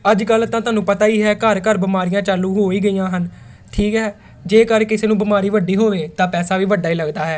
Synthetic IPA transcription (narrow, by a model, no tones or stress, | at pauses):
əd͡ʒkəlt̪ãːt̪ʊaːnũːpət̪aːiːɦɛːkəɾkəɾbəmaːɾɪjãːt͡ʃaːluːɦoːiːɡəiːjãːɦən | ʈʰiːkɦɛː | d͡ʒeːkəɾkɪseːnũːbɪmaːɾiːʋəɖiːɦoːʋeːt̪ãːpɛːsaːʋiːʋəɖːaːiːləɡd̪aːɦɛː